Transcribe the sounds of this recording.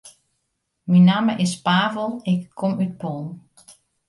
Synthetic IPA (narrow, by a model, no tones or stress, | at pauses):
minaːməʔɪspaːvəlˠɪkʰːɔmyt̚pon